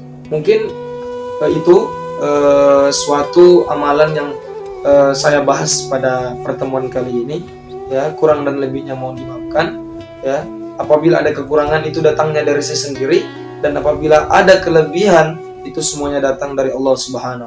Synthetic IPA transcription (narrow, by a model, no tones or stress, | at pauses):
muŋkɪn | əit̪uəːsuat̪uamalanjaŋəːsajabaɦaspadapərt̪əmuankaliːni | jakuɾaŋdanləbɪhɲamaudimap̚kan | ja | apabilaːdakəkuɾaŋanit̪udat̪aŋɲadaɾisajsəndiɾi | danapabilaʔadakələbiɦan | it̪usəmuaɲadat̪aŋdaɾiɑlːɑsubɦana